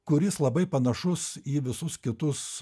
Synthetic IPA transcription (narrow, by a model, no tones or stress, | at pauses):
kʊɾʲɪslˠɐbɐɪpɐnɐʃʊsiːʋʲɪsʊskʲɪt̪ʊs